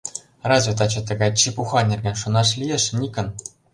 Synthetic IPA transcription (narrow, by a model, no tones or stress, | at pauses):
rɑzʲvʲet̪̬ɑt͡ɕɤ̆t̪̬ɤ̆ɡɑjt͡ɕipuxɑnʲĕrʲɡʲenʲʂŭnɑʂlʲijeʂnʲikʲɘ̆n